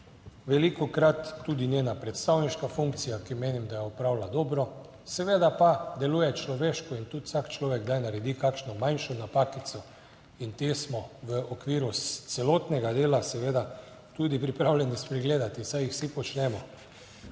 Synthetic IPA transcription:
ʋɛlikɔkɾat̪ːud̪inʲjeːnapɾɛt̪st̪awniʃkafuŋk̚t̪sijakimeːnimd̪ajɛɔpɾawlad̪ɔːbɾɔ | sɛʋeːd̪apad̪ɛluːjɛt͡ʃlɔʋeʃkɔint̪ut̪sakt͡ʃlɔːʋɛɡd̪ajnaɾɛd̪ikakʃnɔmajnʃɔnapakit̪sɔ | int̪esmɔʋəɔkʋiːɾut̪sɛloːt̪nɛɡad̪eːlasɛʋeːd̪a | t̪ud̪ipɾipɾaːwlʲjɛnispɾɛɡleːd̪at̪isajixsipɔt͡ʃnɛmɔ

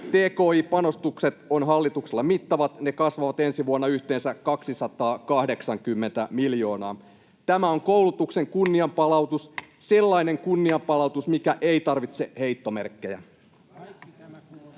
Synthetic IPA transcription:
t̪e̞ːko̞ːiːpɑno̞st̪ukse̞t̪o̞nɦɑlːit̪ukselːɑmit̪ːɑʋɑt̪ne̞kɑsʋɑʋɑt̪e̞nsiʋuɑnːɑyçt̪eːnsækɑksisɑt̪ɑːkɑhde̞ksɑŋkymːe̞nt̪æmiljo̞ːnɑː | t̪æmæo̞ŋko̞wlut̪ukse̞ŋkunːiɑmpɑlɑwt̪usse̞lːɑine̞ŋkunːiɑmpɑlɑut̪usmikæʔe̞ijt̪ɑrʋit̪se̞he̞jt̪ːo̞merkːe̞jæ̰

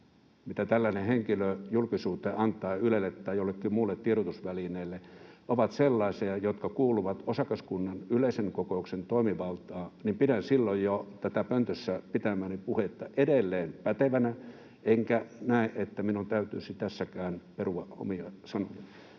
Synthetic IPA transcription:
mit̪æt̪ælːæneheŋkiløjulkisuːt̪eʔɑnt̪ˑɑːylelːet̪ːæːjolːekːimuːlːet̪tieɾot̪usʋælineːlːeʔoʋɑt̪selːɑˑesiɑjot̪kɑkuːluʋɑt̪osɑkɑskunːɑnyleˑiseŋkokoˑuksent̪oˑimiʋɑlt̪ɑːnimpidænsilːojjot̪æt̪æpønt̪øsːæpit̪æmæːnipuhet̪ːɑʔedelːeːnpæt̪eʋænæ | eŋkænæˑeʔet̪ːæminunt̪æyt̪yˑsit̪æsːækæːnperuʋɑo̰miɑsɑnojɑɑ

